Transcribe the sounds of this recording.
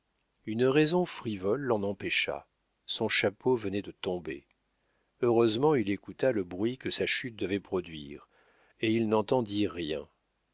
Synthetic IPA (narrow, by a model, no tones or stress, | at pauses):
ynʁɛzɔ̃fχivɔlːɑ̃nɑ̃pɛʃa̰ | sɔ̃ʃapovənɛd̪ət̪ɔ̃bḛ | øʁøzmɑ̃ilekut̪aləbʁɥikəsaʃyt̪̚d̪əvɛpχɔd̪ɥḭːʁ | eilnɑ̃t̪ɑ̃d̪iʁjɛ̰̃